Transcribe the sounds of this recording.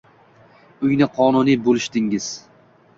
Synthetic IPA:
ʊjnɪqʰɒnʊnibolɪʃt̪ɪŋɪz̥

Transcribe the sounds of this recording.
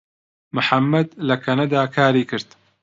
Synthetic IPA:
mʊħamːɐd̪lɐkʰɐnɐd̪aːkʰaːɾiːkɨɾt̪

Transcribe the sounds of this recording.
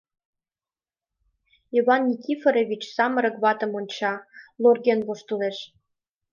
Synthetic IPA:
iβɑnːʲikʲifeɾeβʲit͡ɕsɑmə̆ɾə̆ɡβɑt̪ə̆monʲt͡ɕɑlˠorɣenβoʃt̪uleʃ

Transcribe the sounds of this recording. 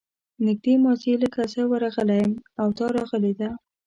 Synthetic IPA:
nɪɡ̚d̪emɑzeləkasəwəɾɑɣəlajəmawt̪ɑɾɑɣəled̪a

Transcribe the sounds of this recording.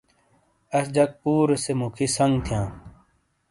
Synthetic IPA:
ɐsd͡ʑɐk̚puːɾesemukʰisɐŋɡt̪ʰijãː

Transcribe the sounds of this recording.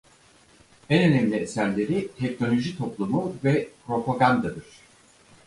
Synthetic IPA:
ɛnø̞nɛmlʲiesæɾlʲe̞ɾit̪ʰɛc̚no̞lʲo̞ʒit̪ʰo̞plˠumuvɛpɾo̞pʰaɡand̪ad̪ɯɾ̝̥

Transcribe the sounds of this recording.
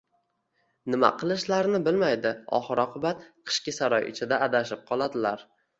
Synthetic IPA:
nɪma̰qʰɨlˠɪʃlaɾnɪbɪlmajd̪ɪɒ̰χɨɾɒqʰʊbat̪qʰɨ̥ʃkʲɪsaɾɒjʔɪ̰t͡ʃʰɪd̪aad̪aʃɪp̚qʰɒlˠad̪ɪlaɾ

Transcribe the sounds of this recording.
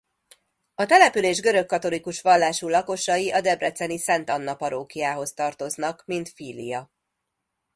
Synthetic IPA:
ɒt̪ɛlɛpyleːʒɡø̞ɾø̞kːɒt̪o̞likuʃʋɒlːaːʃulɒko̞ʃɒjiʔɒd̪ɛbrɛt̪sɛnisɛnt̪ɒnːɒpɒɾoːkijaːɦo̞st̪ɒrt̪o̞znɒkmint̪fiːlḭjɒ

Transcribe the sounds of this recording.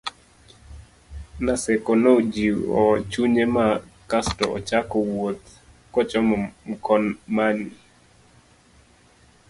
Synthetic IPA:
nasɛkɔnod͡ʒiɔ̰t͡ʃuɲemakastɔɔ̰t͡ʃakɔwot̪ | kɔt͡ʃɔmmkɔnmani

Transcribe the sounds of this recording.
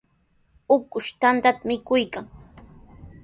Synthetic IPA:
ʊkʊʃt̪ant̪at̪amɪkʊjkaŋ

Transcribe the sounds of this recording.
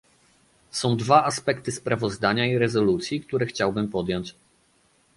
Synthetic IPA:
sɔ̃w̃d̪vaʔaspɛkt̪ɘspɾavɔzd̪aɲaiɾɛzɔlut̪sʲjikt̪uɾɛxt͡ɕawbɘmpɔd̪jɔ̃ɲt͡ɕ

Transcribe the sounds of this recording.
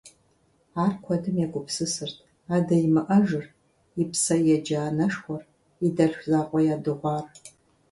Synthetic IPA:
aːrkʷʰɔdɨmjɛkʷʼʊpsɨsɨrtʰ | aːdɐjɪmɨʔɐʒɨr | ipsɐjɛd͡ʒaːnɐʂxʷɔr | idɐɬʷzaːqʷʼɔjaːdɨʁʷɑːr

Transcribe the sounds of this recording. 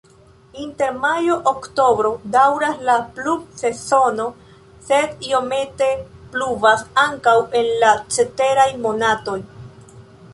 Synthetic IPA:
inte̞ɾmajo̞ʔokto̞bɾo̞dawɾaslaplub̚se̞so̞no̞ | se̞dio̞me̞te̞pluvasaŋkawe̞nlat͡ʃe̞te̞ɾajmo̞nato̞j

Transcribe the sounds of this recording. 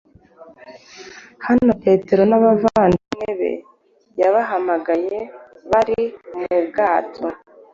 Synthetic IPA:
hano̞pe̞ːte̞ɾo̞naβavaːndineβe̞̰ | jaβaɦamaɡaje̞ | βaɾimubɡaːtʰo̞

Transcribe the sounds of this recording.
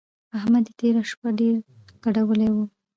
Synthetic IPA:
ahmad̪t̪eɾaʃpaɖeɾɡ̥aɖawəlewu

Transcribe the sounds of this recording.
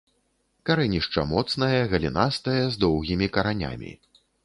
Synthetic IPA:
kaɾɛnʲiʂt͡ʂɐ̰mɔt̪snɐjɐɣɐlʲinast̪ɐjɐzd̪ɔwɣʲimʲikɐɾanʲa̰mʲḭ

